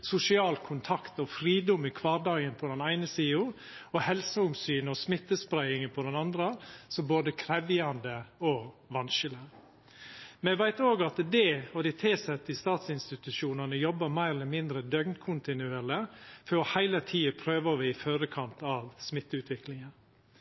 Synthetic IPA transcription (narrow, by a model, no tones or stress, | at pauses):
sʊsɪɑːlkʰʊnt̪ʰɑkt̪ɔfɾiːd̪ɔmɪkʰʋɑːɖɑɡənpʰɔd̪ɛnæɪnəsiːʊ | ɔhɛlsəʊmsyːnɔsmɪt̪ːəspɾæɪɪŋənpʰɔd̪ɛnɑnd̪ɾəsɔboːd̪əkʰɾɛʋɪɑnd̪əɔʋɑnʃələ | mɛʋæɪt̪oːɡɑt̪d̪ɛɔd̪ɪt̪ʰeːsɛt̪ɪst̪ɑːt̪sɪnst̪ɪt̪ʉʃuːnɑnəjɔbːəmæɪɾɛlːəɾmɪnd̪ɾəd̪œɡnkʰʊnt̪ɪnʉeːləfœɔhæɪlət̪ʰiːəpʰɾøːʋəʋɪɪfœɾəkʰɑnt̪ɑʋsmɪt̪ːʉːt̪ʋɪklɪŋən